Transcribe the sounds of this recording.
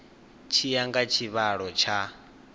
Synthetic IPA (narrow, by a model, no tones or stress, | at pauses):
t͡ʃʰijaŋɡat͡ʃʰiβaɺɔt͡ʃʰa